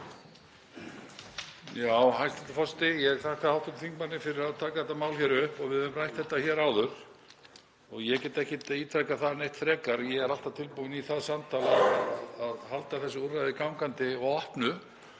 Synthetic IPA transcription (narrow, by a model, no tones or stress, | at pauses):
jaːwɦajst̪ɛ̥t̪ːafɔst̪ɪjɛɣθahkaðhawt̪at̪t̪θʰiŋkmanːɪfɪɾɪɾaðt̪ʰaːkaðθɛt̪amaːwlçɛɾʏhpɔɣvɪðʏʏmrajht̪θɛht̪ːaçɛɾaːwðʏɾ̥ | ɔɣjɛcɛːt̪ɛhcɪt̪it̪ʰɾajkaθanejht̪fɾɛːkaɾjɛɣɛɾalt̪avt̪ʰɪlpuɪniθaðsamt̪ʰaːlaaaðaðhalt̪aθɛsːʏurːajðɪkawmkant̪ɪɔɣɔhpnʏ